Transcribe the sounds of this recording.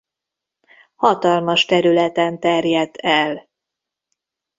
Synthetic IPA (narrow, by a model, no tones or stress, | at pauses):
hɒt̪ɒlmɒʃt̪ɛɾylɛt̪ɛnt̪ɛrjɛd̪ːɛl